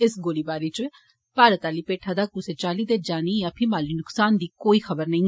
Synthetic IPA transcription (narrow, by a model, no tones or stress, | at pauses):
ɪsɡoːliːbaːɾiːt͡ʃ | paːɾət̪aːliːpeːʈʰaːd̪aːkuseːt͡ʃaːliːd̪eːd͡ʒaːniːjaːpʰɪmaːliːnʊksaːnd̪iːkoːiːxəbəɾnəĩː